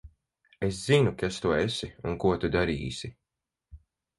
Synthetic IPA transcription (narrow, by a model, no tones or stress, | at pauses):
eszinukast̪uɔesiuŋkuɔt̪ud̪aɾiːsʲi